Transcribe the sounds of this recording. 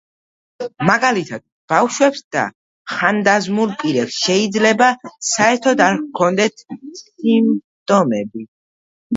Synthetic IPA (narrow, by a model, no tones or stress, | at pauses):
maɡalit̪ʰad̪̥̚b̥afʃwɛpsd̪̥a̰ | χand̪azmulˠpʼiɾɛpsʃɛid̪zlɛbasaɛɾt̪ʰɔd̪aɾkʰɔnd̪ɛt̪ʰim | t̪ʼɔmɛbi